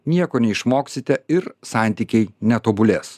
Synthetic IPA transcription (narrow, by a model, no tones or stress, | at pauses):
nʲiɛkoːnʲɛɪʃmoːksʲɪt̪ʲɛɪɾsɑˑnʲt̪ʲiːkʲɛɪnʲɛt̪oːbʊlʲeːs